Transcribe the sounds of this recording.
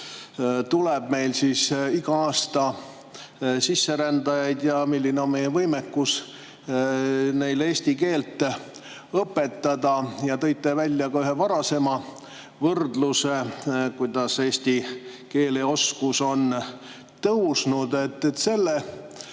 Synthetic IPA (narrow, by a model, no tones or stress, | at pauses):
t̪uleb̥me̞jlsisiɡ̥ɑɑːst̪ɑ | sisːe̞ɾænd̪̥ɑjɑjd̪̥jɑmilʲːineo̞nme̞jːɛvɤjmekːus | ne̞jle̞ːsʲt̪ike̞ːlt̪ːˑ | ɤpːˑe̞t̪ːɑd̪̥ɑjɑt̪ɤ̞jt̪ˑːevælʲːjɑkɑyɦe̞vɑɾɑse̞mɑ | vɤrd̪lusekujd̪̥ɑse̞ːsʲt̪i | ke̞ːleo̞skuso̞n | t̪ɤwsnud̪e̞t̪ːet̪ːse̞lːe